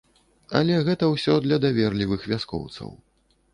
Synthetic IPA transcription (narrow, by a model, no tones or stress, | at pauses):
ɐ̰lʲɛɣɛt̪ɐwsʲɔd̪lʲɐd̪avʲɛrlʲivɨxvʲaskɔ̰wt̪sɐ̰w